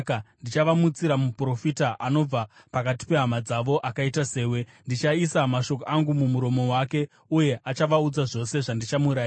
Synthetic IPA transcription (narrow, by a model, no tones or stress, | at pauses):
ndit͡ʃaʋamut͡siɾamupro̞fitaʔano̞b͡va | pakat̬i̥pe̞ɦamad͡zaʋo̞ʔakaitase̞ːwe̞ndit͡ʃaisamaʃo̞koaŋɡumumuɾo̞mo̞wake̞ | uje̞ʔat͡ʃaʋaud͡zaʐo̞se̞ʐandit͡ʃamuɾai